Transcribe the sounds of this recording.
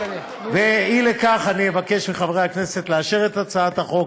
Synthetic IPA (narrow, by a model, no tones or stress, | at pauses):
veilekaχanievake̞ʃmiχavʁejakne̞set̪leaʃeʁet̪at͡saat̪haχo̞k